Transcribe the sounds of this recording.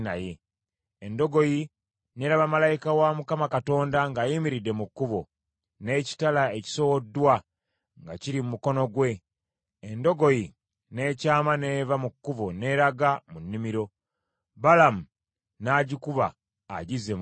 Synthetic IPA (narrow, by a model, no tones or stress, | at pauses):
najeː | ndo̞ɡo̞ji | ne̞ːɾaβamalajikawamukamakato̞ːndaŋɡaːjimiɾidːe̞mukːuβo̞ | ne̞ːci̥talaeci̥so̞wodːwa | ŋɡaciɾimumuko̞no̞ɡwe̞ | endo̞ɡo̞ji | ne̞ːcaːmane̞ːvamukːuβo̞ne̞ːɾaɡamunːimiɾo̞ | balamu | naːɟikuβa̰ː | ɟize̞